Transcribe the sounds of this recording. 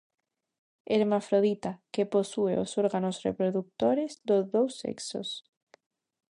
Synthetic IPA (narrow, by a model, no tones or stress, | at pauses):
eɾmafɾoðit̪akeposueosoɾɣanosrḛpɾoðuk̚t̪oɾezd̪ozðowsːḛkso̰s